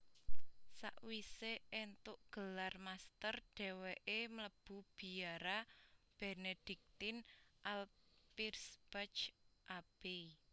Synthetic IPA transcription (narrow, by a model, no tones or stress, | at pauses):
sa̰ʔwiseent̪ʊʔɡ̥ə̤larmast̪ərɖ̥ɛ̤weʔemələb̥ṳb̥i̤aɾab̥ɛned̪̥i̤k̚t̪ɪnʔalpirsb̥at͡ʃʔab̥ei